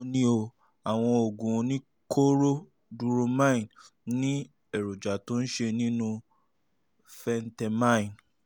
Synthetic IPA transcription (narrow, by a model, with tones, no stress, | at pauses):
nĩ˦o˧ | a˨w̃ɔ̃˧o˨ɡũ˨˧nĩ˦ | kʰo˦ɾo˦ | du˧ɾo˧mã˦ĩ˨n | nĩ˦ | e˨ɾo˨d͡ʒa˨tõ˦n̩˦ʃe˧nĩ˦nũ˧ | fɛ˧n˦tɛ˧mã˦ĩ˨n